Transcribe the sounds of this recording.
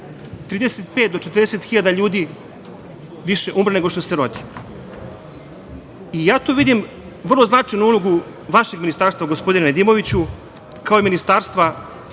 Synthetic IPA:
t̪ɾiːd̪eset̪̚pet̪̚d̪ot͡ʃet̪ɾ̩d̪eset̪xiʎaːd̪aʎuːd̪i | ʋiʃe̞ʔumɾeneɡo̞ʃt̪o̞seɾo̞d̪i | ijaːt̪oʋid̪im | ʋr̩loznat͡ʂajnuulˠoɡu | ʋaʃe̞ɡminist̪aːɾst̪vaɡospod̪inened̪iːmo̞ʋit͡ɕu | kao̞iminist̪aːɾst̪ʋa

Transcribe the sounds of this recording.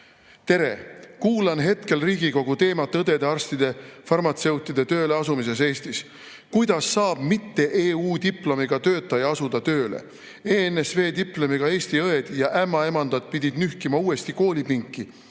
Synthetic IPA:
t̪e̞ɾe̞kuːlɑnɦe̞t̪ke̞lriːɡiko̞ɡ̥ut̪e̞ːmɑt̪ːˑɤd̪e̞d̪eɑrst̪id̪̥e̞fɑrmɑt̪se̞wt̪ːˑid̪̥e̞t̪øːleɑsumis̬e̞s̬e̞ːsʲt̪is | kujd̪̥ɑsːɑːb̥mit̪ːe̞ʔeːuːd̪iplo̞miɡ̥ɑt̪ø̞ːt̪ˑːɑjɑɑsud̪̥ɑt̪ø̞ːlḛ | eːnesve̞ːd̪iplo̞miɡ̥ɑe̞ːsʲt̪iɤe̞d̪̥jɑʔæmːɑe̞mɑnd̪̥ɑt̪̚pid̪̥ʲid̪̥nyhkimɑuːe̞st̪iko̞ːlʲipiŋkːˑi

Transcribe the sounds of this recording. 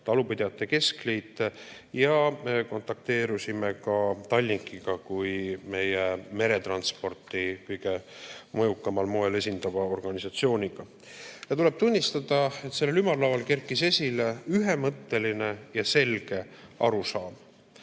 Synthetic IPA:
t̪ɑlupid̪̥eɑt̪ːˑe̞ke̞sklijt̪ | jɑmeko̞nt̪ːˑɑk̚t̪e̞ːɾusimekɑt̪ɑlʲːnikːˑiɡ̥ɑkujme̞jeme̞ɾe̞t̪rɑnspo̞rt̪ˑikɤjɡ̥e̞mɤjukːˑɑmɑlmo̞e̞le̞sʲind̪ɑvɑo̞rɡ̥ɑnʲisɑt̪sio̞ːnʲiɡ̥ɑ | jɑt̪ule̞b̥̚t̪unʲːist̪ɑd̪̥ɑe̞t̪se̞lːelymɑrlɑwɑlke̞rkːˑise̞sʲileyɦe̞mɤt̪ːe̞line̞jɑse̞lɡ̥e̞ɑ̰ɾusɑːm

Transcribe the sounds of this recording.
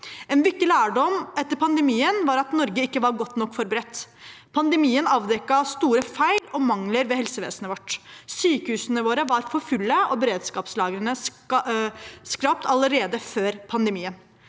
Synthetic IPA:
ɛːnʋɪk̚t̪ːɪlæːɖɔmɛt̪ːəɾpʰɑnd̪əmiːənʋɑːɾɑt̪nɔɾɡəɪkːəʋɑɾɡɔt̪ːnɔkːfɔɾbəɾɛt̪ː | pʰɑnd̪əmiːənɑːʋd̪ɛkːɑɑst̪uːɾəfæɪlɔmɑŋləɾʋɛhɛlsəʋḛːsənəʋɔʈːsyːkəhʉːsənəʋoːɾəʋɑɾfɔɾfʉlːəɔbəɾeːd̪skɑːpslɑːɡɾənəs | skɾɑp̚t̪ʰɑləɾeːd̪əføːɾpʰɑnd̪əmiːən

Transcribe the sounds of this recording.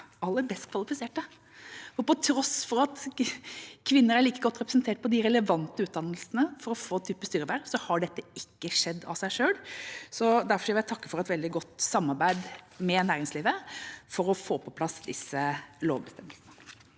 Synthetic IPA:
ɑlːəɾbɛst̪kʰʋɑlɪfɪseːʈə | fɔpɔt̪ʰɾɔsfɔɾɑt̪ | kʰʋɪnːəɾæɭiːkəɡɔt̪ːɾɛpɾəsnt̪eːʈ̚pɔd̪ɪɾɛləʋɑnt̪əʉːt̪d̪ɑnːəlsənəfɔɾɔfoːt̪ʰyːpəst̪yːɾəʋæɾsɔhɑɖɛt̪ːəɪkːəʂɛd̪ːɑ̰sæɪʂøːlsɔd̪æɾfɔʂæʋɪæɪt̪ʰɑkːə̥fɔɾɛt̪ʋɛld̪ɪɡɔt̪ːsɑmːɑɾbæɪd̪mɛnæːɾɪŋsliːʋəfɔɾɔfoːpʰɔpʰlɑsd̪ɪsəloːʋbəst̪ɛməlsnə

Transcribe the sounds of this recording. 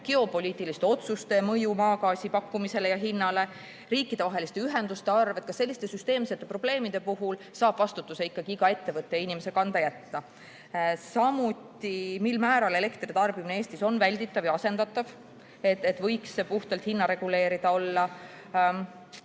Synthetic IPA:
ɡ̥e̞o̞po̞lʲiːt̪ːˑilist̪e̞o̞t̪sust̪e̞mɤjumɑːkɑːsipɑkːumise̞lejɑɦinːɑle̞ | riːkːˑid̪̥e̞vɑɦe̞list̪e̞yɦe̞nd̪ust̪e̞ɑrve̞t̪̚kɑse̞lːist̪e̞syst̪e̞ːmset̪ːepro̞b̥le̞ːmid̪̥e̞puɦulsɑːb̥vɑst̪ut̪ːˑuse̞ikːˑɑɡ̥iiɡ̥ɑe̞t̪ːe̞vɤt̪ːˑejɑinime̞se̞kɑnd̪̥ɑjæt̪ːɑ | sɑmut̪ːimilmæːɾɑle̞le̞kt̪rit̪ɑrb̥imineeːst̪iso̞nvælʲd̪it̪ːˑɑvjɑse̞nd̪ɑt̪ːˑɑv | et̪et̪vɤ̞jksepuht̪ɑlt̪hinːɑɾe̞ɡ̥ule̞ːɾid̪ɑo̞lːɑ

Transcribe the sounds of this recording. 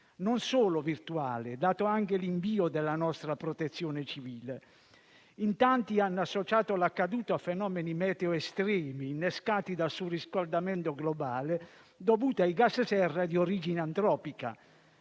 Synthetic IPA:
nonsoːlovirt̪uaːled̪aːt̪oaŋkeliɱviːod̪ɛlːanɔst̪ɾapɾɔt̪et̪sːjɔːnet͡ʃiviːle | int̪ant̪ianːasːot͡ʃaːt̪olakːad̪uːt̪afɛnɔːmenimɛːt̪eoɛst̪ɾɛːminːɛskaːt̪id̪alsuriskald̪amɛnt̪oɡlobaːle | d̪ovuːt̪aiɡassɛrːad̪ioɾiːd͡ʒineant̪ɾɔːpika̰

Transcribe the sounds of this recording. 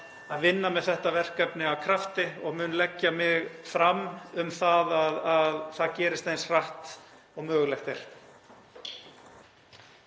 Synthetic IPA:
aðvɪnːamɛðθɛht̪avɛr̥kɛpnɪawkʰɾaft̪ɪɔɣmʏːnlɛcːamɪɣfɾamʏmθaðaðaðθaðcɛːɾɪst̪ejnsr̥aht̪ | ɔɣmœːɣlɛxt̪eɾ̥

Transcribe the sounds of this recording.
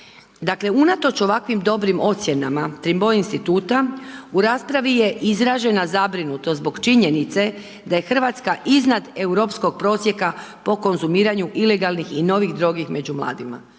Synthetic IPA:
d̪akle̞unat̪o̞t͡ʃo̞ʋakʋimd̪o̞bɾimo̞t̪sʲje̞namat̪ɾimbo̞inst̪it̪uːt̪auɾaːspɾaʋije̞ʔizɾaʒe̞nazabɾinut̪ozbo̞ɡt͡ʃiɲe̞nit̪se̞ | d̪aje̞xr̩ʋat̪skaʔiznad̪euɾo̞psko̞ɡ̚pɾo̞ːsje̞kapo̞ko̞nzumiːɾaɲuʔile̞ɡalˠnixino̞ʋiɣd̪ɾo̞ɡixme̞d͡ʑumlˠa̰ːd̪ima̰

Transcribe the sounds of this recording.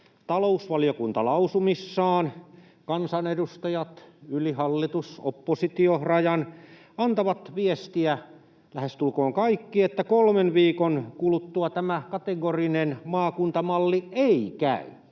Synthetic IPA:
t̪ɑlousʋɑlijokunt̪ɑlɑusumisːɑːn | kɑnsɑnedust̪ɑjɑt̪ylihɑlːit̪usopːosit̪iorɑjɑn | ɑnt̪ɑʋɑt̪ʋiest̪iæ | læhest̪ulkoːŋkɑikːiet̪ːækolmenʋiːkonkulut̪ːuɑt̪æmækɑt̪eɡorinenmɑːkunt̪ɑmɑlːieikæ̰y

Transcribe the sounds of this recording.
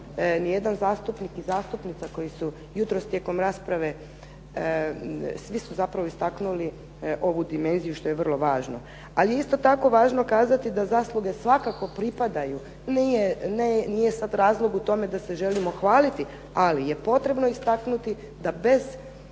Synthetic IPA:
nije̞d̪anzaːst̪upnikizaːst̪upnit̪sako̞jisu | jut̪ɾo̞st̪je̞ko̞mɾaːspɾaʋe̞ | sʋisuzapɾaʋo̞ist̪aknuli | ʔo̞ʋud̪ime̞nzijuʃt̪o̞jeʋər̩lˠo̞ʋaːʒno | alijeist̪o̞t̪ako̞ʋaːʒno̞kaːzat̪id̪azaːslˠuɡe̞sʋakako̞pɾipad̪aju | nijenenije̞sad̪ɾaːzlˠo̞ɡut̪o̞me̞d̪ase̞ʒe̞limo̞xʋaːlit̪i | alije̞po̞t̪ɾe̞bno̞ist̪aknut̪i | d̪abe̞z

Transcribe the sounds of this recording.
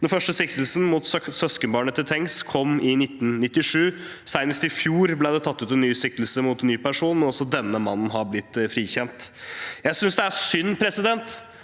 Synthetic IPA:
d̪ɛnfœʂʈəsɪkt̪əl̩sn̩mut̪sœskənbɑːɳət̪ʰɪlt̪ʰɛŋskʰɔmːɪnɪt̪ːnnɪt̪ːɪʂʉː | sæɪnəst̪ɪfjuːɾblæɪd̪ɛt̪ʰɑt̪ːʉːt̪ɛnːyːsɪkt̪lsəmʊːt̪nːyːpæʂuːnmɛnɔsɔd̪ɛnːəmɑnn̩ɦɑblɪt̪ːfɾiːçɛnt̪jæsʏnsd̪ɛæsʏnːpʰɾɛsɪd̪ɛnt̪

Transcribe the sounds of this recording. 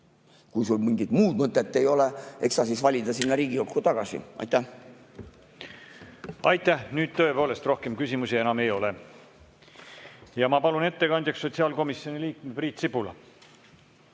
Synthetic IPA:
kujsulmiŋɡid̪̥muːd̪̥mɤt̪ˑːet̪ːe̞jo̞leeksɑsisvɑlʲid̪ɑsinːɑɾiːɡ̥iukːut̪ɑɡ̥ɑsḭʔɑ̰jt̪ːæh | ɑjt̪ːæhnyːd̪̥̚t̪ø̞epo̞ːle̞st̪ro̞hke̞mkysimusie̞nɑmejo̞le | jɑmɑpɑlune̞t̪ːe̞kɑnʲd̪̥ʲjɑksːo̞t̪siɑlko̞misːjo̞niliːkmepriːt̪sipulɑ̰

